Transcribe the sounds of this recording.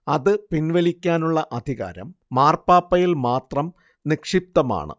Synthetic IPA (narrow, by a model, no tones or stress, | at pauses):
ɐðɨpinʋɐlikʲːaːnuɭːɐʔɐd̪ʱiɣa̰ːɾɐ̰mːaːrpaːpːɐjilmaːt̪rɐm | nikʂip̚t̪ɐma̰ːɳɨ̰